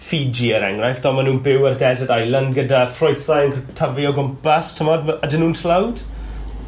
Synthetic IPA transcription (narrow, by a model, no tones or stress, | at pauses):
fid͡ʒiəɾɛ̰ŋrajfd̥ɔːmanuːnbɪwərɡɛzədajlˠandɡədafrɔjθajənkʰtʰəvjɔɡʊmpastʰəmɔdadɪnːuːntʰlawd̥